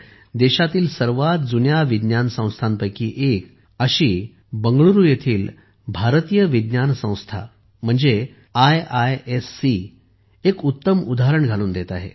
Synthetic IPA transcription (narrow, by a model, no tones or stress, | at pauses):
d̪eɕat̪iːlsəɾʋat̪̚d͡zunjaʋid̪njansə̃w̃st̪ʰanpəjkiːʔek | əɕiː | bəŋɡɭuɾuːjet̪ʰiːl | bʱaɾt̪ijəʋid̪njansə̃w̃st̪ʰa̰ | m̤əɳd͡ze | ajajesːi | ekut̪ːəmud̪aɦɾəɳɡʱaluːnd̪et̪aɦḛ